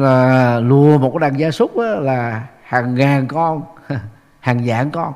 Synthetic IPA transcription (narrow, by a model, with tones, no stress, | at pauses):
laː˨˩lu˨˩əmo˨˩t̚kːɗaː˨˩ŋzaː˧sʊ˦˥k͡p̚ʔaː˨˦laː˨˩ | haː˨˩ŋːaː˨˩nkɔ˧n˧ | haː˨˩ŋza̰ː˧˦ŋkɔ˧n